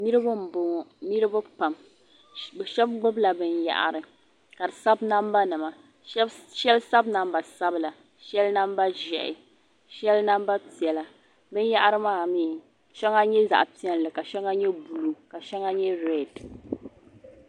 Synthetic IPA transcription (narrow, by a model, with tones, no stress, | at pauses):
ni˦ɾɨ˦ba˦m̩˨bʊ˨ŋ˨ni˦ɾɨ˦bʊ˦pa˨m | bɛ˨ʃɛ˦b̚ɡ͡bʊ˦bla˨bɨ˦nja̰˨ʔa̰˨ɾɨ˨ | ka˨dɨ˨sa˦bna˦m˦ba˦nɨ˨ma˨˦ | ʃɛ˦lsa˦bna˦mba˨sa˦bɨ˦la˨ | ʃɛ˦lna˦m˦ba˦ʒɛ̰˨ʔɪ̰˨ | ʃɛ˦lna˦m˦ba˦pi˨ɛ˨la˨ | bɨ˦n˦ja˦ʔa˦ɾɨ˦maː˦˨miː˦˨ | ʃɛ˦ŋa˦ɲɛ˦za̰˨ʔpi˦ɛ˦n˨lɨ˨ka˨ʃɛ˦ŋa˦ɲɛ˦bu˨lu˨ka˨ʃɛ˦ŋa˦ɲɛ˦ɾɛ˦d